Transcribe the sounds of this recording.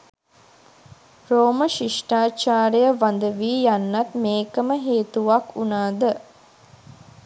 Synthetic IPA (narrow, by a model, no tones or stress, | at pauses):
ɾoːməʃiʂʈaːt͡ʃaːɾəjəʋand̪əʋiːjanːat̪meːkəməɦeːt̪uʋakunaːd̪ə